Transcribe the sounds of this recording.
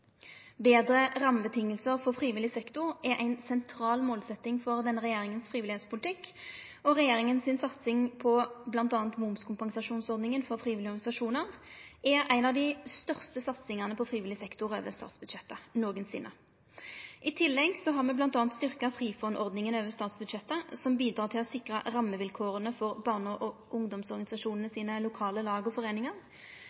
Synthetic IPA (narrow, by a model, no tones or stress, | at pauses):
beːd̪ʁəʁɑmbət̪ʰɪŋːəlsəʁfɔfʁiːʋɪlɪsɛkt̪ʊʁɛɾʔæɪnsɛnt̪ʰʁɑːlmoːlsɛt̪ːɪŋfɔʁd̪ɛnːəʁɛjeːʁɪŋənsfʁiːʋɪlɪheːt̪spʰʊlt̪ʰɪkːɔʁɛjeːʁɪŋənsɪnsɑt̪sɪŋpʰɔblɑnt̪ɑːnt̪mʊmskʰʊmpɑŋsɑʂuːnsɔʁd̪nɪŋənfɔʁfʁiːʋɪlɪɔʁɡɑnɪsɑʂuːnəʁʔɛʁæɪnɑʋd̪ɪst̪œʁst̪əsɑt̪sɪŋɑʁnəpʰɔfʁiːʋɪlɪsɛkt̪ʊɾø̰ːʋəst̪ɑ̰ːt̪sbʉd̪ʂɛt̪ːənoːɡənsɪ̰nʔə̰ | ʔɪt̪ʰɪlːɛɡsɔɦɑʁmɛblɑnt̪ɑːnt̪st̪ʏʁkɑfʁiːfɔnʔɔʁd̪nɪŋənøːʋəst̪ɑːt̪sbʉd̪ʃɛt̪ːəsɔmbiːd̪ɾʁɑːʁt̪ʰɪlɔsɪkʁəʁɑmːəʋɪlkʰoːʁənəfɔʁbɑːʁnəʁɔʔʊŋd̪ɔmsɔʁɡɑnɪsɑʂuːnənəsiːnəlʊkʰɑːləlɑːɡəɔfɔʁeːnɪŋɑʁ